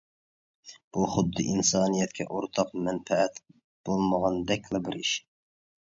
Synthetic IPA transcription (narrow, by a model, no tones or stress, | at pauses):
b̥uχʊd̪ːɨʔinsɑːnijɛt̪̚kʲʰɛ̰ʔoɾt̪ʰɑqmɛnpfɛɛt̪ | b̥olˠməʁɑnd̪ɛkʲlɛbɪɾiʃɪ̥